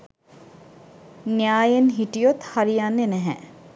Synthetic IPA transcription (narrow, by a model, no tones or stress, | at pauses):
nijaːjenɦiʈijot̪haɾijanːenæɦɛ